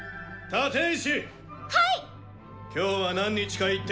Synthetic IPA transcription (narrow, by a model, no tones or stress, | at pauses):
t̪at̪ẽɕi | hai | kʲo̞ːβanãɲ̟ːit͡ɕi̥kait̪ː